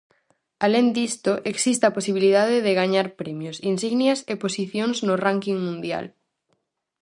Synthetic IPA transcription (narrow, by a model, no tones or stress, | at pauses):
alend̪ist̪oʔeksist̪aposiβ̞iliðað̞ɪðɪɣaɲaɾpɾemjosinsiɣnjaseposiθjonznoraŋkiŋmũnd̪ja̰l